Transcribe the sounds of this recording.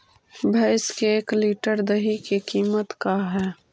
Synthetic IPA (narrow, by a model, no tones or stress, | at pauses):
bʱɐɪskeeːkliːʈəɾd̪əɦikekiːmət̪kaɦɛː